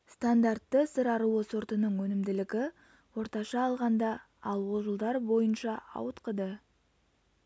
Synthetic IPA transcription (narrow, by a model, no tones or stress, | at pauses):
st̪and̪art̪ːəsəɾɑɾuwəsoɾt̪ənəɴwɵnɪmd̪ɪlɪkʲɪ | wo̞ɾt̪ɑʃɑːlˠʁɑnd̪ɑ | ɑlˠwo̞ʒəlˠd̪ɑɾbo̞jənʃɑɑ̰wət̪qəd̪ə